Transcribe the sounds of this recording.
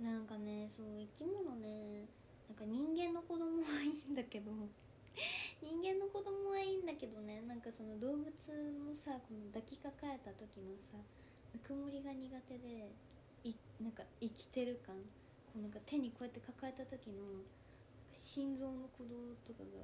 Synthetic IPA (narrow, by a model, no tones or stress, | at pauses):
nãŋkane̞so̞ːikʲimo̞no̞ne̞ | nãŋkaɲ̟ĩŋɡẽ̞nːo̞ko̞d̪o̞mo̞βaiːnd̪ake̞d̪o̞ | ɲ̟ĩŋɡẽ̞nːo̞ko̞d̪o̞mo̞βaĩːnd̪ake̞d̪o̞ne̞nãŋkasono̞d̪o̞ːbɯ̟t͡sɨno̞sako̞no̞d̪akʲikakae̞t̪at̪o̞kʲino̞sa | nakɯ̟moɾʲiɡaɲ̟iɡat̪e̞d̪e̞ | inãŋkaikʲi̥t̪e̞ɾɯ̟kãŋ | ko̞ːnãŋkat̪e̞ɲ̟iko̞et̪ːe̞kakae̞t̪at̪o̞kʲino̞ | nãŋkaɕĩnd͡zo̞ːno̞ko̞d̪o̞ːt̪oka̰ɡa̰